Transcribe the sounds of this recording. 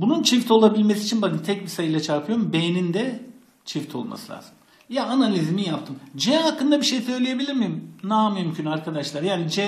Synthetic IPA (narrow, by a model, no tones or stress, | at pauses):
bununt͡ʃʰift̪ʰo̞lˠabilʲmesiːt͡ʃʰinbakɯnt̪ʰɛcbisajɯlˠat͡ʃʰaɾpʰɯjo̞ɾmbejnind̪ɛ | t͡ʃʰift̪ʰo̞̰lˠma̰sɯlʲa̰ːz̥ɯm | jaanalʲizmijap̚t̪ʰɯmd͡ʒɛakːɯnd̪abiʃejsø̞jlʲeje̞bilʲiɾmijmnamymcʰynaɾkʰad̪aʃlˠaɾjaːnid͡ʒɛ